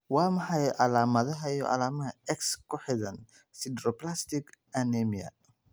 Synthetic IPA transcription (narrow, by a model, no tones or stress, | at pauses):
wɑːmɐħɑjʔɐlaːmɐðɐɦɐijɔ̰ʔa̰laːmɐɦɐɛkskʰʊħɪðɐn | sid̪ɾɔplast̪ɪk | ɐnɛmiɐ̰